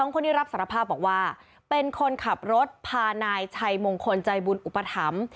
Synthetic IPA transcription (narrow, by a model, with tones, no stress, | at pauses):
sɔː˩˦ŋko˧nːiː˦˥ɾa˦˥p̚saː˩˦ɾa˧pʰaː˥˩bɔː˨˩k̚waː˥˩ | pe˧nkʰo˧nkʰa˨˩p̚ɾo˦˥t̪̚pʰaː˧naː˧jt͡ɕʰa˧jmo˧ŋkʰo˧nt͡ɕa˧jbu˧nʔu˨˩pːa˧t̪ʰa˩˦m